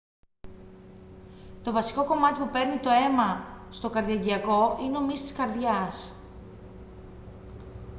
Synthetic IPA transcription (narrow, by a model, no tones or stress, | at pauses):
t̪o̞vɐsi̥ko̞ko̞mɐt̪ipupe̞ɾnit̪o̞e̞mɐst̪o̞kɐɾðiɐɟiɐko̞ineo̞mist̪i̥skɐɾðʝɐs